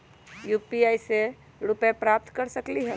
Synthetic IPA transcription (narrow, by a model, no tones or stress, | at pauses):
jupiaise | ɾupepɾap̚t̪kəɾsəkliɦɛ